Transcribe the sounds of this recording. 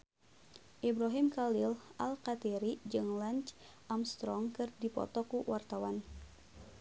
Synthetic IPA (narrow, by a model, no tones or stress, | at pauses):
ʔibɾaɦimkalilʔalkat̪iɾid͡ʒɨŋlaɲt͡ʃ | ʔamst̪ɾɔŋkɨrdipɔ̰t̪ɔkuwart̪awan